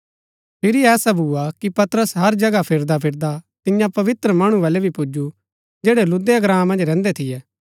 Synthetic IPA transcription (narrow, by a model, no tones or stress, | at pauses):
pʰɪɾiɛːsabʱuːakipɐt̪ɾəsɦɐɾd͡ʒɐɡapʰɪɾd̪apʰɪɾd̪at̪ɪjãpɐʋɪt̪ɾəmɐɽ̃ũʋaːlɛbʱipʊd͡ʒu | d͡ʒeːɽelʊd̪eɐɡɾãːmɐ̃nd͡ʒɾɛ̃ːnd̪ɛt̪ʰɪjɛː